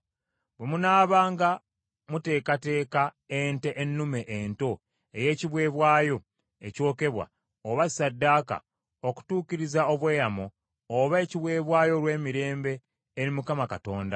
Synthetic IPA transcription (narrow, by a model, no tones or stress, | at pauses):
bwe̞munaːβaːŋɡa | mute̞ːkate̞ːka | enteʔenːume̞ʔento̞ | e̞je̞ːciβwe̞ːβwaːjo̞ | e̞̰co̞ːke̞βwa̰ | oβasadːaːka̰ | oku̥tuːciɾizao̞βwe̞ːjamoː | βae̞ciβwe̞ːβwaːjo̞lwe̞ːmiɾe̞ːmbe̞ː | ɾimukamakato̞ːnda̰